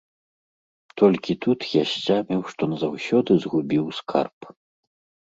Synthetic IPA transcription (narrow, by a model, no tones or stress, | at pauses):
t̪ɔlʲkʲit̪ut̪jaɕʲt͡samʲɛwʂt̪ɔnɐzawsʲɔd̪ɨzɣubʲiwskʰa̰rp